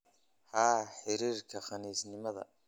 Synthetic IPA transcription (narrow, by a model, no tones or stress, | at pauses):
haːħɪɾiːrkʰɐχɑniːsnɪmɐðɐ̰